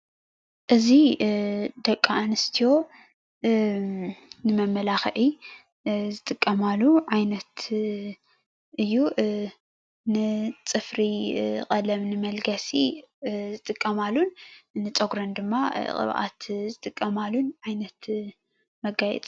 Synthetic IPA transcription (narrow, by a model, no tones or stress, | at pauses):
ʔɨzi | d̪ɐkʼːaːnɨst̪ʰijo̞ | nɨmɐmːɐlaxʔi | zɨt̪ʼɨkʼːɐmalːuʕajnɐt̪ | ʔɨjːu | nɨt͡sʼɨfɾiqʼɐlɐmnɨmɐlɡɐsizɨt̪ʼɨkʼːɐmalːunnɨt͡sʼoɡɾɐnd̪ɨmːaqʼɨ̰βʔa̰t̪zɨt̪ʼɨkʼːɐmalːunʕajnɐt̪ | mɐɡajɛ̰t͡sʼ